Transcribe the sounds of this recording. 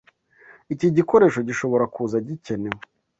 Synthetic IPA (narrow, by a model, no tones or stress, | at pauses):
iciɟiko̞ɾe̞ːʃo̞ɟiʃo̞βo̞ɾakuːzaɟice̞newo